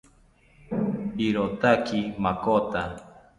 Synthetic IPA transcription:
iɾot̪akʰimakot̪a

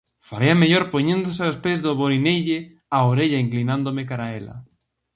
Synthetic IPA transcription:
faɾiɐmeʎoɾpoɲẽnd̪osɪaspezðoβoɾinejʎɪ | aoɾeʎɐiŋklinãnd̪omɪkaɾaelɐ̰

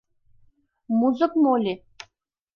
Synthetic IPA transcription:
muzɨpmolʲi

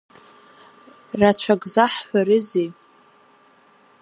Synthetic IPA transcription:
rat͡ɕʷʰaɡʼzaħħʷaɾɨze

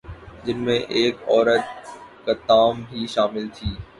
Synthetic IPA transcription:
d͡ʒɪnmẽʔeːkɔːɾət̪̚kɐt̪aːmbʱiʃaːmɪlt̪ʰiː

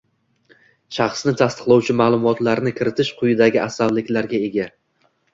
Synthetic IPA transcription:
ʃɑχsnɪt̪ʰast̪ʰɨ̥qlˠawt͡ʃʰɪmaːlˠʊmɒt̪laɾnɪkʰʲɪɾɪt̪ʰɪʃqʰʊjɪd̪aɡʲɪasːavlɪkʲlaɾɡʲae̞ɡʲa

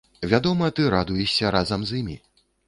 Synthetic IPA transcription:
vʲad̪ɔmɐt̪ɨɾad̪ujɛʂsʲɐɾazɐmzimʲḭ

